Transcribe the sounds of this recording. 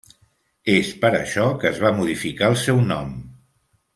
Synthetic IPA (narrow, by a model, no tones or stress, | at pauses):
espəɾə̰ʃɔkəːzβamuðifikaəlˠsɛwnɔ̰m